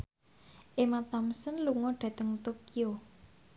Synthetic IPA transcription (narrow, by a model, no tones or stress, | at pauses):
ʔemat̪amsənluŋɔɖ̥ä̤t̪əŋt̪okio